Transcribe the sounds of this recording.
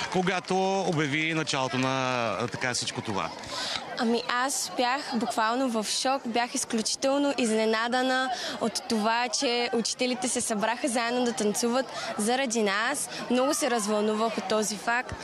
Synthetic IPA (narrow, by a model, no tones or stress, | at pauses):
koɡat̪oobjɐvinɐt͡ʃalˠot̪onɐt̪ɐkafsit͡ʃkot̪ova̰ | ɐmiʔasbjaxbukvalˠnovɐfʃɔkbjaxisklʲut͡ʃi̥t̪ɛlˠnoʔiznɛnad̪ənəot̪ːovat͡ʃɛut͡ʃi̥t̪ɛlit̪ɛsɛsɐbɾaxəzaɛd̪nod̪ɐt̪ɐnt̪suvət̪zɐɾɐd̪inasmnɔɡʊsɛɾəzvɐlˠnuvəxot̪ːɔzifak̚t̪